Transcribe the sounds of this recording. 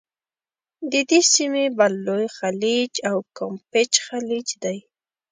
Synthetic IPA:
d̪ɪd̪ɪsɪmɪbalːʊjχalɪt͡ʃawkompɪt͡ʃxalɪt͡ʃd̪aj

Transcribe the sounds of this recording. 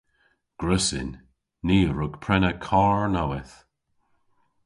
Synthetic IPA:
ɡ̥ɹəsɪ̰nː | iːɹʊɡ̥pʰɹɛnəkʰaːɹnawɪθ

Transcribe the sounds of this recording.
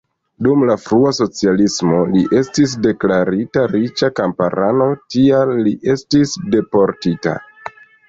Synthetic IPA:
dumlafɾuaso̞t͡sialismo̞liʔe̞stis̬de̞klaɾitaɾit͡ʃakampa̰ɾʔano̞tialːiʔe̞stisde̞po̞ɾtita̰

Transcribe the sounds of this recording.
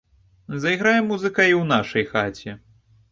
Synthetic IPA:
zɐjɣɾajɛmːuzɨkɐiwn̪aʂɐjxat͡sʲɛ

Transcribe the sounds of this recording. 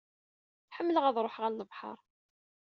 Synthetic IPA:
ħəmːələʁæðˤɾˤoħʁælləvħɑ̰ɾˤ

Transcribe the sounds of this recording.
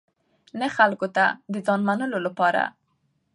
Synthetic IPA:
naxalkot̪ad̪əzɑnmanəlolapɑɾa̰

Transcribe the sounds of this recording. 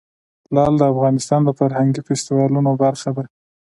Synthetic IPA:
lɑld̪əafɣɑnɪst̪ɑnd̪əfaɾhaŋɡifɪst̪ɪwɑlunobaɾxad̪a

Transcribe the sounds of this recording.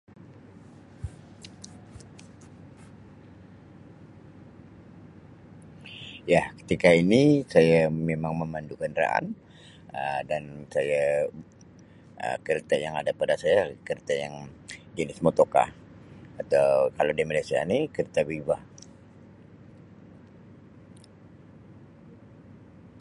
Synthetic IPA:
jahkə̥t̪ikainisajamemaŋməmandukandɾa̰ʔa̰n | ədansaja | ə̰kəɾt̪ajaŋadapadasajakəɾət̪ajaŋd͡ʒənismot̪oka̰ | at̪awkaladiaməlasia̰nikəɾət̪abibah

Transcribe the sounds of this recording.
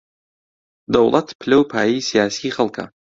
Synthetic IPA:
d̪ɐwlˠɐt̪pʰɨlɐwpʰaːjijsijaːsiːχɐlˠkʰɐ̰

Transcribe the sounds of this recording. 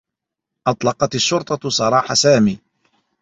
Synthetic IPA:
ʔɑt̪ˤlɑqɑt̪aʃːʊɾt̪ˤɑsˤɑɾˤɑːħasaːmiː

